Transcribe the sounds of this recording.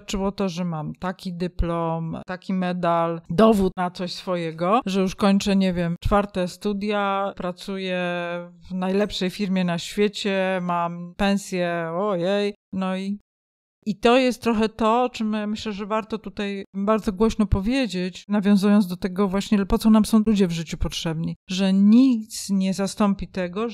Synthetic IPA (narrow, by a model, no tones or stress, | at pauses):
t͡ʂɘwɔt̪ɔʐɛmamt̪akʲid̪ɘplɔmt̪akʲimɛd̪ald̪ɔvut̪nat̪sɔɕsfɔjɛɡɔʐɛjuʂkɔɲt͡ʂɛɲɛvʲjɛmt͡ʂfaɾt̪ɛst̪ud̪ʲjapɾat̪sujɛvnajlɛpʂɛjfʲiɾmʲjɛnaɕfʲjet͡ɕɛmampɛ̃ñsʲjɛɔjɛjnɔi | it̪ɔjɛst̪t̪ːɾɔxɛt̪ɔt͡ʂɘmmɘɕlɛʐɛvaɾt̪ɔt̪ut̪ajbaɾd̪zɔɡwɔɕnɔpɔvʲjed͡ʑet͡ɕnavʲjɔ̃zujɔnd̪ɔt̪ɛɡɔvwaɕɲɛpɔt̪sɔnamsɔ̃w̃lud͡ʑɛvʐɘt͡ɕupɔtʂɛbɲiʐɛɲik̚t̪sɲɛzast̪ɔmpʲit̪ɛɡɔ